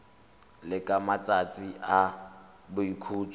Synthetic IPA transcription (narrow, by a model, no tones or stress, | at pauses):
lɪkʼamat͡sʼat͡sʼia | bʊikʰuːt͡sʼɔ